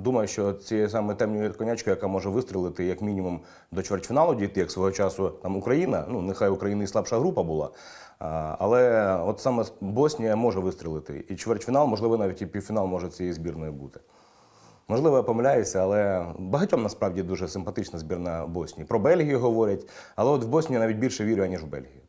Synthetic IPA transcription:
d̪umɐjʊʃt͡ʃɔt͡sʲijɛs̬ɑmɛt̪ɛmnʲijkɔnʲat͡ʃkɐjɐkamɔʒɛʋɪst̪ɾʲɪlˠɪt̪ɪjɐkmʲinʲimum | d̪ɔt͡ʃʋert͡ʃʲfʲinɑlˠʊdʲijt̪ɪjɐksʋɔɦɔt͡ʃɑsʊt̪ɑmʊkɾɐjinɐnunɪxajʊkɾɐjinʊislˠɑpʃɐɦɾupɐbʊlˠɑ̰ | ɐ̰lˠɛɔt̪sɑmɛbɔsʲnʲijɐmɔʒɛʋɪst̪ɾʲɪlˠɪt̪ɪ̰it͡ʃʋert͡ʃʲfʲinɑlˠmɔʒlɪʋɔnɑʋʲitʲipʲiwfʲinɑlˠmɔʒɛt͡sʲɛjɛzʲbʲirnɔjʊbut̪ɪ̥ | mɔʒlˠɪʋɔpɔmlʲajet͡sʲːɐɐlˠɛbɐɦɐtʲɔmnɐspɾɑʋdʲid̪uʒɛsɪmpɐt̪ɪt͡ʃnɐzbʲirnɐbɔsʲnʲipɾɔbɛlʲɦʲijʊɦɔʋɔɾʲɐtʲɐlˠɛɔt̪wbɔsʲnʲinɑʋʲit̚ʲbʲilʲʃɛʋʲiɾʲʊjɐnʲiʒwbɛ̰lʲɦʲijʊ

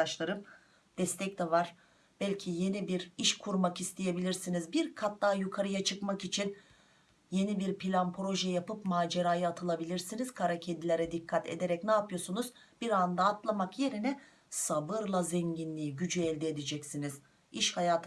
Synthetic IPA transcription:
aʃlˠaɾɯm | d̪̥ɛst̪ʰɛc̚t̪ɛvaɾ̥ | b̥ɛlʲcʰije̞nibiɾiʃkʰuɾmakist̪ʰije̞bilʲiɾsinizbiɾkʰat̪̚d̪aːjukʰaɾɯjat͡ʃʰɯkmakit͡ʃʰin | je̞nibiɾpʰilʲanpʰɾo̞ʒɛjapɯpmaːd͡ʒe̞ɾaːjɯat̪ʰɯlˠabilʲiɾsiniz̥kʰaɾacʰe̞d̪ilʲeɾɛd̪ikʰːat̪ʰe̞̰d̪e̞ɾɛcnaːpʰɯjo̞sunuz̥b̥iɾand̪aːt̪lˠamakje̞ɾinɛ | sabɯɾlˠazɛɲɟinlʲiːɟyd͡ʒyɛlʲd̪ɛːd̪ɛd͡ʒɛcsiniz̥ | iʃhajaːt̪ʰ

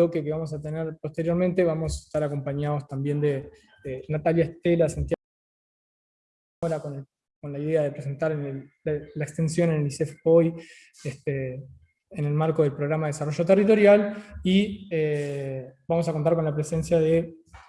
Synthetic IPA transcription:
okekeβamo̞s̬at̪e̞neɾpo̞st̪e̞ɾjo̞ɾment̪eβamo̞se̥st̪aɾako̞mpaɲaðo̞st̪ambje̞nd̪e | enat̪aljaest̪elasant̪ja | oɾakon | ko̞nlaiðe̞aðe̞pɾes̬e̞nt̪aɾnelaekst̪e̞nsjo̞nenelisefo̞j | est̪eː | ne̞lmaɾko̞ð̞elpɾo̞ɣɾamaðees̬aro̞ʒo̞t̪erit̪o̞ɾjalie | bamo̞s̬akont̪aɾko̞nlapɾese̞nsjaðe

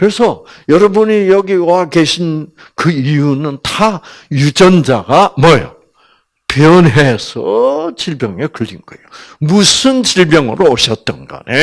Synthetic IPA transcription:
kɯɾe̞sʰʌjʌɾʌbuɲijʌɡiwakeɕʰin | kɯijunɯntajud͡ʑʌnd͡ʑaɡamʌjʌ̰ | pjʌnesʰʌ̰t͡ɕiɭbjʌŋekɯɭːinɡ̥ʌejomusʰɯnt͡ɕiɭbjʌŋɯɾoʌɕʰʌt̚t͈ʌnɡa̰ne

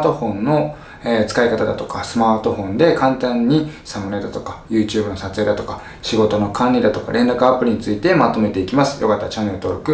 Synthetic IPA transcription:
t̪o̞ɸõ̞nːo̞ | et͡sɨ̥kaikat̪ad̪at̪o̞̥kasɨmaːt̪o̞ɸõ̞nd̪e̞kãnt̪ãɲ̟ːisamɯɾed̪at̪o̞kḁjɯ̟ːt͡ɕɨːbɯ̟no̞sat͡sɨjed̪at̪o̞kḁ | ɕiɡo̞t̪o̞no̞kʰãnʲid̪at̪o̞ka̰ɾʔẽ̞nɾakɯ̟apːɯ̟ɾʲiɲ̟it͡sɨit̪e̞mat̪o̞me̞t̪e̞ikʲimasɨ̥jo̞kat̪ːat͡ɕanːe̞ɾɯ̟t̪o̞ɾokɯ̟

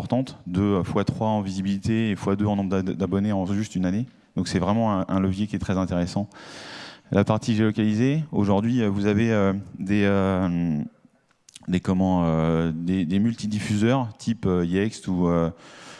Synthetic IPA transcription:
ɔʁt̪ɑ̃t̪d̪øfwat̪χwaɑ̃vizibilit̪eːfwad̪øɑ̃nɔ̃bʁd̪abɔneɑ̃ʒyst̪ynane | d̪ɔ̃ksɛvʁɛmɑ̃ɛ̃ʔɛ̃ləvjekʲiɛt̪χɛzɛ̃t̪eʁesɑ̃ | lʔapaʁt̪iʒelɔkʲalizeoʒuʁd̪ɥiøvuzaveød̪eø | d̪ekɔmɑ̃ød̪ed̪emylt̪id̪ifyzœʁt̪ʰipøiɛkst̪uø

